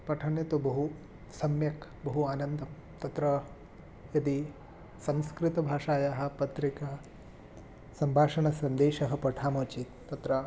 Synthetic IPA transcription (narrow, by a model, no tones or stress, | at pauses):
pɐʈʰɐnjɐt̪ubɐɦu | sɐmjɐkbɐɦuaːnɐnd̪ʱɐm | t̪ɐt̪ɾɐ | jɐd̪i | sɐ̃mskɾɪt̪ɐbʱaːʂaːjaːɦɐ̆pɐt̪ɾikɐ | sɐmbʱaːʂɐɳɐsɐnd̪eːʃɐɦɐ̆pɐʈʰaːmoːt͡ʃit̪t̪ːɐt̪ɾɐ